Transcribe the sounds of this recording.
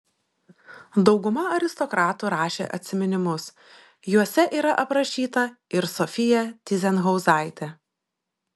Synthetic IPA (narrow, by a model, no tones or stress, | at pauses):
d̪ɒʊɡʊmɐɐɾʲɪst̪ɔkɾɑːt̪uːɾɑːʃʲḛːʔɐ̰t̪ʲsʲɪmʲɛnʲɪmʊs | juɔsʲɛʔiːɾɐʔɐpɾɐʃʲiːt̪ɐɪɾsɔfʲɪjɛt̪ʲɪzʲɛnɣɔʊzɑˑɪt̪ʲɛ